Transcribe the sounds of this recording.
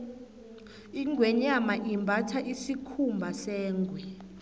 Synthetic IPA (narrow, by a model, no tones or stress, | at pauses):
iŋɡʱwɛɲamaʔimbʱatʰaʔisikʰumbʱasɛːŋɡʱwɛ